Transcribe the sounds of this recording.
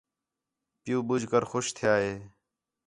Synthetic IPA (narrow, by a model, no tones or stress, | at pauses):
pɪjũːbʊd͡ʒʱkəɾxʊʃt̪ʰɪjaːɦeː